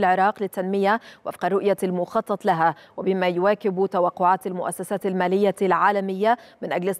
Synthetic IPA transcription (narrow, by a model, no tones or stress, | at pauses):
lʕɪɾˤɑːqlɪt̪ːanmɪjawʔa̰fqɑrˤːʊʔjalmʊxɑt̪ˤːɑt̪ˤlaɦawɪbɪmajʊwaːkɪbt̪awaqːʊʕaːt̪almʊʔa̰sːasaːt̪almaːlɪjːalʕaːlamɪjːamɪnʔaɡlɪ